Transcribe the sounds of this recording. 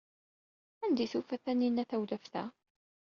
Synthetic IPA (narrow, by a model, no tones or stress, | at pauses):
ænd̪iθufæθænːinæθæwləfθæ̰